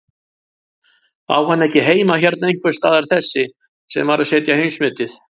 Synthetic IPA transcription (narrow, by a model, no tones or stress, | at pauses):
a̰whanːɛhcɪɦeːjmaçɛɾt̪naejn̥kʰvɛɾ̥st̪aːðaɾ̥θɛsːɪ | sɛ̰mvaɾasɛːt̪jaheɥnsmʏːt̪ɪθ